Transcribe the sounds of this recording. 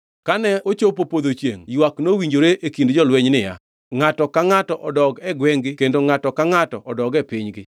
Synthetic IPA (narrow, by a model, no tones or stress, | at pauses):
kanɛot͡ʃop̬opod̪ot͡ʃjḛŋjwaknowiɲd͡ʒoɾeʔekindd͡ʒɔlwɛɲnɪja | ŋatɔkaŋatɔʔɔdɔɡɛɡwɛŋɡɪkendoŋatɔkaŋatɔʔɔdɔɡɛpɪɲɡɪ